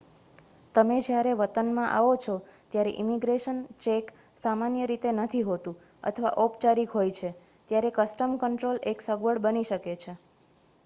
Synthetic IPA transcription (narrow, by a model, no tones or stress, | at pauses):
t̪əmed͡ʒjaɾeʋət̪ənmãʔa̰ʋot͡ʃʰot̪jaɾeʔimiɡɾeʃənt͡ʃek | samanjəɾit̪enət̪ʰiɦot̪ũ | ə̰t̪ʰəʋa̰ʔɔpt͡ʃaɾikɦojt͡ʃʰe | t̪jaɾekəsʈəmkəɳʈɾoleksəɡʋəɽbəniʃəket͡ʃʰe